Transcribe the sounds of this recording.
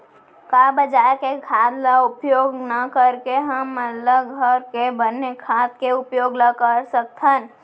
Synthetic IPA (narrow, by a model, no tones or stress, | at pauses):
kaːbəd͡ʒaːekekʰaːd̪laʊpjoːɡnəkəɾkeɦəməlːəɡʱəɾkebənːekʰaːt̪̚keʊpjoːɡnəkəɾsək̚t̪ʰən